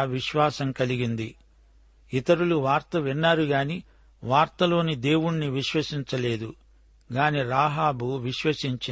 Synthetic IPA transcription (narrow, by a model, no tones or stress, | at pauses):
ʋiʃʋaːsɐmkɐliɡind̪i | it̪ɐɾuluʋaːɾt̪ɐʋinːaːɾuɡaːni | ʋaːɾt̪ɐlo̞ːnid̪e̞ːwuɳniʋiʃʋɐsiɲt͡ʃɐle̞ːd̪u | ɡaːniɾaːɦaːbuʋiʃʋɐsiɲt͡ʃi